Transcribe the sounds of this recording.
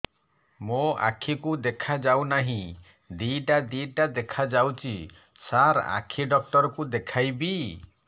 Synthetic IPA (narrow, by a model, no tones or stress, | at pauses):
moa̰kʰikud̪ekʰad͡ʒawnaɦĩ | d̪iʈad̪iʈad̪ekʰad͡ʒawt͡ʃʰi | saɾa̰kʰiɖɔk̚ʈɔɾɔkud̪ekʰajbi